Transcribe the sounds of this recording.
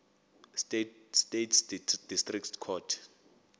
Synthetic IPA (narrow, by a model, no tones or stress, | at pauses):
ststetʰsdid̥istʼriktkʰɔtʰ